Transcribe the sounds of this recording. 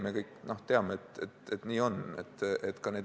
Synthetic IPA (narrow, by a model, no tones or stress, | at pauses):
mekɤjkno̞ht̪eɑmeet̪et̪et̪niːo̞nḛt̪ːʔet̪ːkɑneːd̪